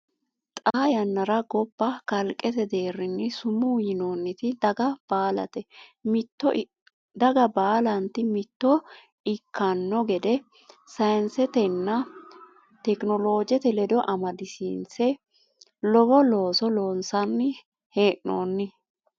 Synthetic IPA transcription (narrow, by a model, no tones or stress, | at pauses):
t̪ʼaːjɐnːɐɾɐɡɔbːɐkɐlkʼɛt̪ɛd̪e̞ːɾːɪnːɪsʊmʊjɪnoːnːɪt̪ɪd̪ɐɡɐb̥aːlɐ̰t̪ɛmɪt̪ːɔ | d̪ɐɡɐbaːlɐnt̪ɪmɪt̪ːɔ | ɪkʰːɐnːɔɡɛd̪ɛ | sɐjnsɛt̪ɛnːɐ | t̪ɛknɔlo̞ːd͡ʒɛt̪ɛlɛd̪ɔʔɐmɐd̪ɪsḭnsɛ | lɔbɔlo̞ːsɔlo̞ːnsɐnːɪ | he̞ːʔno̰ːnːɪ